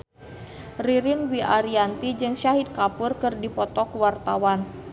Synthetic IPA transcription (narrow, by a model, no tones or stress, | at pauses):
riɾinwiʔaɾiant̪id͡ʒɨŋʃaɦit̪̚kapʊrkɨrdipɔt̪ɔkwart̪awan